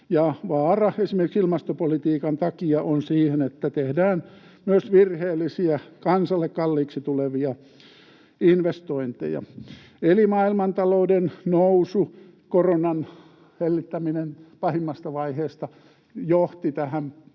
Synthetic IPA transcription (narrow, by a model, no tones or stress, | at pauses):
jɑʋɑːrɑesimerkiksilmɑst̪opolit̪iːkɑnt̪ɑkiɑʔonsiːhenet̪ːæt̪ehdæːn | myøsʋirheːlːisiækɑnsɑlːekkɑlːiːksit̪uleʋiɑ | inʋest̪oint̪ḛjɑ̰ | elimɑilmɑnt̪ɑloudennousu | koronɑn | helːit̪ːæminenpɑhimːɑst̪ɑʋɑiheːst̪ɑ | joht̪it̪æhæm